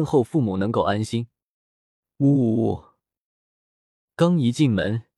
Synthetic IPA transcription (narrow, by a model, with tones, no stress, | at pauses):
nxo˥˧ʊfu˥˩mu˨˩nɤ˧˥ŋko˥˩ʊa˥nɕi˥n | u˥˩ | kɑ˥ŋi˧˥t͡ɕi˥˩nmə̰˧˥n